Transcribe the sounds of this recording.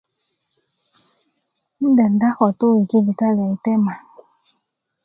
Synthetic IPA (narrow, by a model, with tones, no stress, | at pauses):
n̩˦dɛ˨n̩˨da˦xɔ˨to˦we˨d͡ʒi˦bi˨ka˦lɛ˨i˨tɛ˦ma˨